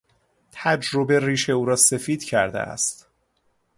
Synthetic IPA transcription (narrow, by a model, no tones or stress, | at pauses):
t̪ʰæd͡ʒɾo̞be̞riːʃe̞uːɾɒːse̞fiːd̪̥cʰæɾd̪ḛæ̰st̪